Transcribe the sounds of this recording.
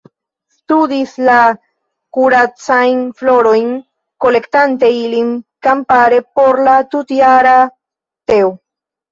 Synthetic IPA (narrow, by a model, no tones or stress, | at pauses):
st̪ud̪isla | kuɾat͡sajnfloɾojn | ko̞le̞kt̪ant̪eilinkampaɾe̞po̞ɾlat̪ut̪iaɾa | t̪eo